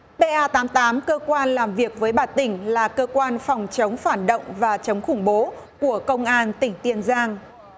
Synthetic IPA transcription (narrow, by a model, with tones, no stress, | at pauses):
ɓe˧ʔaː˧t̪aː˨˦mt̪aː˨˦mkəː˧kwaː˧nlaː˨˩mvi˨˩ək̚vəː˨˦jɓaː˨˧˩t̪ï˧˩ŋ̟laː˨˩kəː˧kwaː˧nfɑ˨˩wŋ͡mt͡ɕə˨˦wŋ͡mfaː˧˩nɗo̰˧˨wŋ͡mvaː˨˩t͡ɕə˨˦wŋ͡mxʊ˧˩ŋ͡mɓo˨˦ku˧˩əkə˧wŋ͡mʔaː˧nt̪ï˧˩ŋ̟t̪i˧˩ənzaː˧ŋ